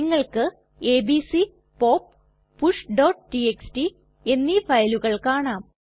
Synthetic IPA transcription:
iŋːɐɭkɨ | eːbisi | po̞ːpː | uʂɖoːʈʈieksʈi | e̞nːifɐjluɣɐɭkaːɳaːm

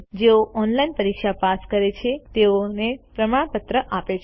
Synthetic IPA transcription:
d͡ʒeoʔɔnlainpəɾikʃapaskəɾet͡ʃʰet̪eonepɾəmaɽ̃pət̪ɾəʔapet͡ʃʰ

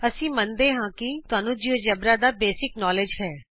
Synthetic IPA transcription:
əsĩːmənd̪eːɦãːkɪt̪ʊaːnũːd͡ʒioːd͡ʒəbɾaːd̪aːbeːsɪknɔːled͡ʒɦɛː

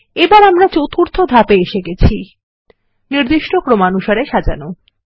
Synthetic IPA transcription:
ebaɾamɾat͡ɕot̪ʰuɾt̪ʰod̪ʱapeeʃeɡet͡ɕʰi | niɾd̪iʃʈokɾomanuʃaɾeʃad͡ʑa̰no

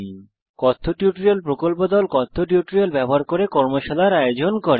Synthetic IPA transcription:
kɔt̪ʰːoʈjuʈɾielpɾokolpod̪ɔlkɔt̪ʰːoʈjuʈɾielbɛboɦaɾkoɾekɔɾmoʃalaɾajod͡ʑonkɔɾe

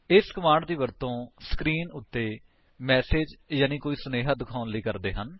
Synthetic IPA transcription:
ɪskəmaːɳɖd̪iːʋəɾt̪õːsə̥kɾiːnʊt̪ːeː | mɛːseːd͡ʒjaːniːkoːiːsʊneːɦaːd̪ɪkʰaːnləiːkəɾd̪eːɦən

